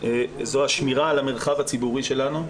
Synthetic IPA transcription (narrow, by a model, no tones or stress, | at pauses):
ezoaʃmiʁaːlame̞ʁχavat͡sibuʁiʃe̞lanu